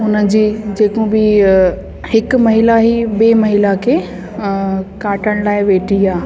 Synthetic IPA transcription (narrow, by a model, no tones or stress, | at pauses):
ɦʊnəd͡ʑiːd͡ʑeːkobɪ | hɪkʊ̆mɐɦɪlaɦibeːmɐɦɪlakʰeː | kaːʈʰəɽ̃laːɪʋeːʈʰiaː